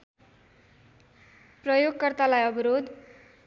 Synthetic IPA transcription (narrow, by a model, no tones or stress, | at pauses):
prʌjoɡkʌrt̪alajʌbʌɾod̪